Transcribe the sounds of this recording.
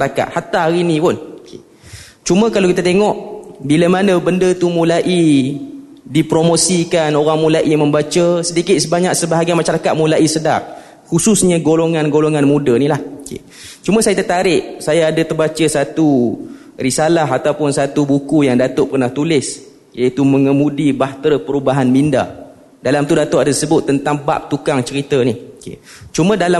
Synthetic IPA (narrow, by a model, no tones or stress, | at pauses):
aɾaka̰t̪̚hat̪aɦaɾinipʊnkʰḛ | t͡ʃumə̃kalaowkit̪at̪eŋɔʔbilamanəbəndət̪umũlaʔi | dipɾomosikanoɾaŋmũlaʔimə̃mbat͡ʃəsədikɪt̪̚səbaɲak̚səbaɦaɡianmaʃaɾakat̪̚mũlaʔisədaʔ̚ | hususɲəɡoloŋanɡoloŋanmudənilahkḛ | t͡ʃumə̃sajat̪ət̪aɾɪʔsajaːdət̪ərbat͡ʃəsat̪u | risalaɦat̪awpʊnsat̪ubukujaŋdat̪ʊʔpərnaht̪ulɪs | jait̪uməŋəmudibaht̪ɾəpəɾubaɦanminda̰ | dalamt̪udat̪oʔadasəbʊt̪ːənt̪aŋba̰p̚t̪ukaŋt͡ʃəɾit̪ənihkḛt͡ʃumə̃dala